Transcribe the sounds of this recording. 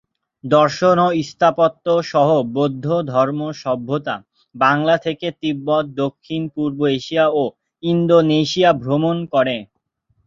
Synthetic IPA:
d̪ɔɾʃonoist̪ʰapot̪ːoʃɔɦobod̪ʱːod̪ʱɔɾmoʃɔbʱːot̪a̰ | baŋlat̪ʰeket̪ibːɔt̪̚d̪okʰːinpuɾboeʃiao | ind̪oneʃiabʱɾomonkɔɾe

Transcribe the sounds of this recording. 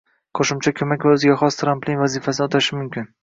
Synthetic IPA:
qʰoʃʊmt͡ʃʰakʲʰɵmakʲvaɵzɪɡʲaχɒst̪ʰɾamplʲɪŋvazifasɪnɪot̪ʰaʃɪmʊmkʲɪn

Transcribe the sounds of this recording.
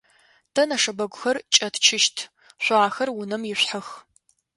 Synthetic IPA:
tʰɐnɐʂɐbɐɡʷʊxɐrt͡ʃʼɐtʰt͡ʃʰɪʃtʰ | ɕʷaːxɐrwʊnɐmjɪɕʷħɐx

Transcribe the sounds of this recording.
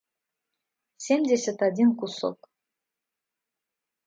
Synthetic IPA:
sʲemʲd̪ʲesʲɘt̪ad̪ʲinkuso̰k

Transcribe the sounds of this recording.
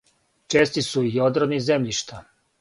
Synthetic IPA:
t͡ʃeːst̪isuijod̪ɾonizemʎiʃt̪ʰa

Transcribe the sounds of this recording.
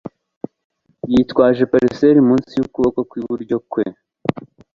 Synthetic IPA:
jitkwaːʒepaɾeseɾimuːnsijukuβokokwiβuɾɟo̞kwe

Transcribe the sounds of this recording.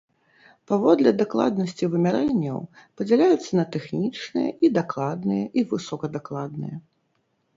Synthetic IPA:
pavɔd̪lʲɐd̪aklˠa̰d̪̚nɐsʲt͡sʲivɨmʲaɾɛnʲːɐ̰wpɐd͡zʲɛlʲajut̪sːɐnɐt̪ɛxnʲit͡ʂnɨjɐ̰ʔid̪aklˠad̪nɨjɐʔivɨsɔkɐd̪aklˠad̪nɨ̰jɐ

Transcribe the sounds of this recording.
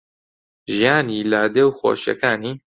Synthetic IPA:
ʒijaːniːlaːd̪ɛwxo̰ːʃɛ̰kaːniː

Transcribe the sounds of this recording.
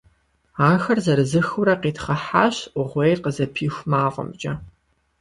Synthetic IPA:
aːxɐrzɐɾɨzɨxʊɾɐqiːtχɐħaːɕʔʷʊʁʷejrqəzɐpʰiːxʷmaːʁʷɔ̰mt͡ʃʼɐ

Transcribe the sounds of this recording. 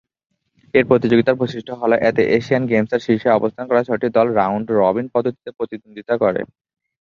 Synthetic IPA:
eɾpɾot̪id͡ʑoɡit̪aɾboʃiʃʈʰoɦɔloʔɛt̪eʔeʃianɡemsaɾʃiʃeɔbost̪ʰankɔɾaʃʰɔʈid̪ɔlɾawɳɖɾɔbinpɔd̪ot̪ʰi̥t̪epɾot̪id̪ond̪ʱit̪akɔɾḛ

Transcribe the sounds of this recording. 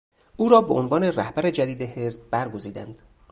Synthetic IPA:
ʔuːɾɒːbeʔonvɒːne̞ræhbæɾed͡ʒæd̪iːd̪ehe̞sb̚bæɾɡo̞ziːd̪æ̰nd̪̥

